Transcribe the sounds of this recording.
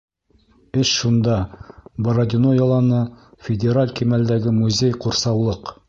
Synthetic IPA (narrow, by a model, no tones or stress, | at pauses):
ɘʃʃund̪ɑboɾɐd̪ʲɪnojɑlˠɑnɤfʲɪdʲeɾalʲkimæld̪æɡɘmuzʲejquɾsɑwlˠɤq